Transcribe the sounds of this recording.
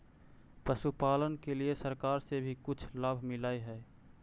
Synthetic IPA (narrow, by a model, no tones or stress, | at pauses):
pəʃupaːlənkeliesəɾkaːɾsebʱikʊt͡ʃʰlaːbʱmɪlaːiɦɛː